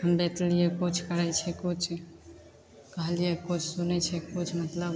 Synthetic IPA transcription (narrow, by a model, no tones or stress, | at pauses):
əmbet̪lijekut͡ʃʰkəɾajt͡ʃʰɛkut͡ʃʰ | kəɦəlijekut͡ʃʰsunɛt͡ʃʰɛkut͡ʃʰmət̪ləb